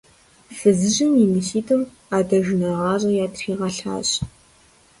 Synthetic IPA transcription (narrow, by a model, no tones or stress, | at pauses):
sɨzɨʑɪmimɨɬiːtʰɨm | aːdɐʒnɐʁɑːrɐjaːtʰriːʁɐɬa̰ːɕ